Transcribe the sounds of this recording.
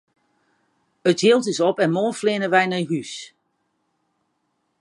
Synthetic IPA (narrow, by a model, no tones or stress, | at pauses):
əthiəlˠtɪsɔpɛnmoːflɪːnəʋɛjnɛjɦys